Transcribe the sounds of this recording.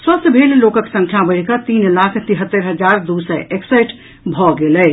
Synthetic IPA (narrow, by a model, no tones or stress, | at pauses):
səst̪bʱellokəksə̃ŋkʰjabəɽkət̪inlakʰt̪iɦət̪ːəɾɦəd͡ʒaɾd̪usəʔeksəjʈ | bʱɔɡelɛ